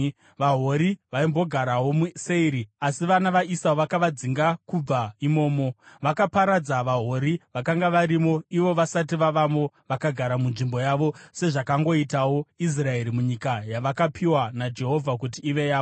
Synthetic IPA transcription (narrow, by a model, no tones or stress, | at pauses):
ʋaɦo̞ɾiʋaimbo̞ɡʱaɾawo̞muse̞iɾiasiʋanaʋaʔisaoʋakaʋad͡ziŋɡakub͡vaimo̞ːmo̞ʋakapaɾad͡zaʋaɦoɾiʋakaŋɡaʋaɾimo̞iʋo̞ʋasat̬iʋaʋamo̞ | ʋakaɡʱaɾamunʐimbo̞jaʋo̞se̞ʐakaŋɡo̞itawois̬rae̞ɾimuɲikajaʋakapʰiwanad͡ʒe̞ɦo̞vʱak̬ut̬iːʋe̞jaːo